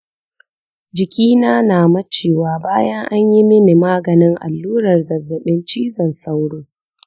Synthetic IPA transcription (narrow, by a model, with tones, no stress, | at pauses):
d͡ʒɪ˨kʲiː˦naː˦naː˨mɐ˦t͡ʃeː˨waː˨baː˦jɐ˦ŋʔa˦ɲji˦mɪ˦ni˨maː˦ɡɐ˨nɪ˦ŋʔa̰˨lːuː˦ɾɐ˨rzɐ˨zːɐ˨ɓɪ˦nt͡ʃiː˦zɐ˨nsa˦wɽoː˦